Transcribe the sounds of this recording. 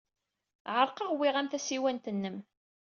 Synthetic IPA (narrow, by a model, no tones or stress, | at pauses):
ʕəɾˤqəʁwɪʁæmθæsiwænt̪ənːəm